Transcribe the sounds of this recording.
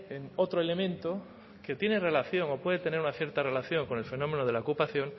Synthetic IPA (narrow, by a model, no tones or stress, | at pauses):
eŋot̪ɾoele̞mẽ̞nt̪o | ket̪je̞nere̞laθjo̞ŋo̞pweðet̪e̞ne̞ɾunaθje̞ɾt̪are̞laθjo̞ŋko̞ne̞lfe̞nõ̞me̞noðe̞laokupaθjo̞ŋ